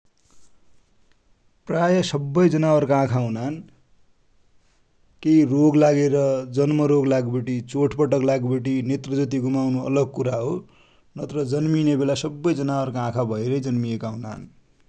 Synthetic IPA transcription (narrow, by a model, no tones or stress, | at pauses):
prajʌsʌbːʌjd͡zʌnawʌrkaãkʰaɦunan | kejroɡlaɡeɾʌd͡zʌnmʌɾoɡlaɡbeʈit͡soʈʰpʌʈʌklaɡbeʈ̬inet̪rʌd͡zʌt̪iɡumawnuʌ̰lʌɡ̚kuɾaɦo | nʌt̪ɾʌd͡zʌnminebelasʌbːʌjd͡zʌnawʌrkaãkʰabʱʌeɾʌjd͡zʌnmiekaɦuna̰n